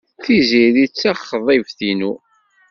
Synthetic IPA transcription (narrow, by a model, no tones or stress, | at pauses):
θiziðit͡sːæχːðˤivθinu